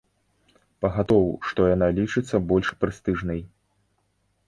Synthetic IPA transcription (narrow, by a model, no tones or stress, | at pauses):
pɐɣat̪ɔwʂt̪ɔjanalʲit͡ʂɨt̪sːɐbɔlʲʂpɾɨst̪ɨʐnɐj